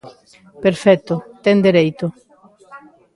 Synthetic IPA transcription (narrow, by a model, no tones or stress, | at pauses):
peɾfɛt̪ʊt̪ɛŋd̪eɾejt̪ʊ